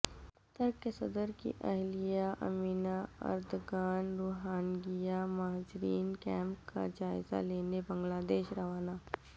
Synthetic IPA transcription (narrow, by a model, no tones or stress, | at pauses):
t̪əɾkːesɐd̪əɾkḭʔɐɦlijaʔɐ̰miːnaɐ̰ɾd̪ɡaːnɾoːɦaːnɡijamaːd͡ʒɾiːnkɛ̃ːmpka̰d͡ʒaːɪza̰leːnebɐ̃ŋɡlaːd̪eːʃɾɐʋaːnaː